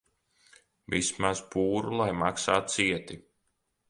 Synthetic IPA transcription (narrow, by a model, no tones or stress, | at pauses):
vismazpuːɾulˠajmaksaːt̪siɛt̪i